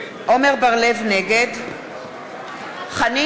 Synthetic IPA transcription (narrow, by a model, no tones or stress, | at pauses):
ʔomeʁbaʁlevneɡed | χani